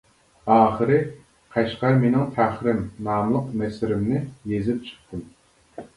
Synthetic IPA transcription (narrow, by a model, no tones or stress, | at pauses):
ɑːχəɾɨ | qʰɛʃqɑɾmenɪŋt̪ʰæχɾɪmnɑːmlˠəqmɛsɪɾɪmnɪjezɪp̚t͡ʃʰə̥χt̪ʰɨm